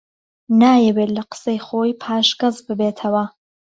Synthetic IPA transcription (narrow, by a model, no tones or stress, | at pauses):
naːjɛwet̪lɐqə̥sɐjχoːjpʰaːʃɡɐzbɨbeːt̪ʰɐwɐ